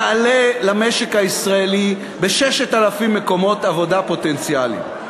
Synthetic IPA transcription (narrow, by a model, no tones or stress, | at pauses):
alelameʃe̞khaisʁaeli | beʃɛʃetalafimːeko̞mo̞tavo̞dapo̞tent͡sialḭ